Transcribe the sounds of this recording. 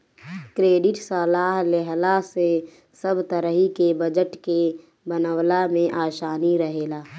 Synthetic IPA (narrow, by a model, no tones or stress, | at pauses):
kɾeːɖɪʈsəːlaːɦlɛɦlase | səbt̪əɾəɦikebəd͡ʒəʈke | bənəwlamẽʔaːʃaːniɾəɦeːlaː